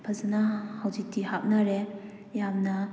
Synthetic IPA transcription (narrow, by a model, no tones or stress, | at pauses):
pʰazɐnahawzik̚tihap̚naɾe | jamnɐ